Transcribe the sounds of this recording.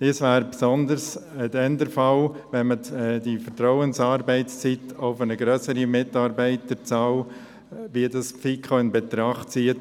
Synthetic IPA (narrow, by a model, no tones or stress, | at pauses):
d̥iːsʋæːɾpsɔndəɾsɪdɛndəɾfɑlʋɛnməd̥ifəɾt̪ɾɔʊənsɑːɾbɛɪt͡st͡sit̪oʊfənəɡɾœsəɾimɪtɑːɾbɛɪtət͡sɑl | ʋidɑsfikʰχoɪnbɛt̪ɾɑχtt͡siət